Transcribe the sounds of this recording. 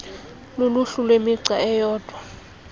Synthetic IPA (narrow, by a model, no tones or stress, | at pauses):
luluɬulwemiǀaɛjɔːd̥ʱwa